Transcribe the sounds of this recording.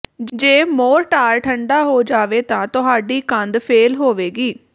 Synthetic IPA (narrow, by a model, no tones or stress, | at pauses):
d͡ʒd͡ʒeːmoːɾʈaːɾʈʰəɳɖaːɦoːd͡ʒaːʋeːt̪ãːt̪ʊɦaːɖiːkə̃nd̪pʰeːlɦoːʋeːɡiː